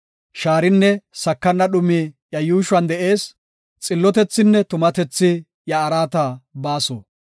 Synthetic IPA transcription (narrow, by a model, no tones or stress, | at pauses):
ʃaːɾɪnːɛsɐkːɐnːɐɗʊmi | jɐjuːʃʊɐnd̪ɛʔe̞ːs | t͡sʼɪlːɔt̪ɛt͡sːɪnːɛt̪ʊmɐt̪ɛt͡sːɪ | jɐːɾaːt̪abaːso̰ː